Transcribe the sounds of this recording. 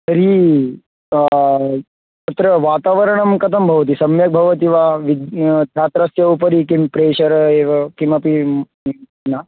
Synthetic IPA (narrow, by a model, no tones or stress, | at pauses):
sɐɾi | t̪ɐt̪ɾɐʋaːt̪aːʋɐɾɐɳ̃ɐmkɐt̪ʰɐmbʱɐʋɐt̪̬isɐmjɐk̚bʱɐʋɐt̪̬iʋaʋid̪ʱjaːt̪ɾɐsjɐupɐɾikimpɾeːʃɐɾeːʋɐkimɐpi | na